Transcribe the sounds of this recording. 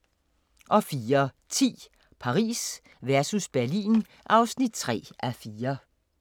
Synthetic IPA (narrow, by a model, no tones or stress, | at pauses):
ʔɒ̽fiːɐ | t͡sʰḭː | pʰɑ̈ʁḭːs | ʋæɐsusb̥æɐlḭːn | ʔɑ̈ʊsnid̥̚t͡sʰʁɛ̰ːæfiːɐ